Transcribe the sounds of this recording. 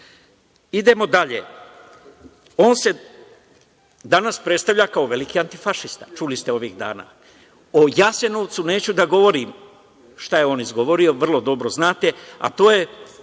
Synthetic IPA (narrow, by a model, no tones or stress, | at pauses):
id̪e̞mo̞d̪aʎḛ | o̞ːnse̞ | d̪anaspɾe̞t̪st̪aʋʎakao̞ʋe̞likiant̪ifaʃist̪at͡ʃulist̪eo̞ʋiːɣd̪a̰ːna̰ː | o̞jase̞noʋt̪sune̞ːt͡ɕud̪aɡo̞ʋo̞ɾiːm | ʃt̪ajeo̞ːnizɡo̞ʋo̞ɾio̞ʋr̩lˠo̞d̪o̞bɾo̞znaːt̪e̞a̰t̪o̞ːje̞